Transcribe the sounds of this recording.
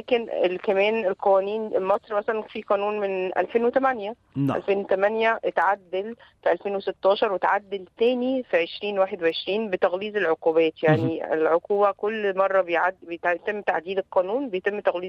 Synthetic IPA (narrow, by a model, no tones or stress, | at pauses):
læːkenelkæmæːnelqæwæːniːnmɑsˤɾmæsælænfiːqɑːnuːnmenʔæ̰lfeːnwet̪æmænjæ | ʔælfeːnwet̪æmænjæʔet̪ʕad̪ːelfiʔælfeːnweset̪ːɑːʃɑɾˤwet̪ʕad̪ːelt̪æːnifiʕeʃɾiːnwaːħed̪weʕeʃɾiːnbet̪æɣliːzelʕoquːbæːt̪jaʕniḛlʕoquːbækolːmɑrˤːɑbejʕad̪bj̪t̪emːt̪aʕd̪iːlelqæːnuːnbejet̪emːt̪æɣliː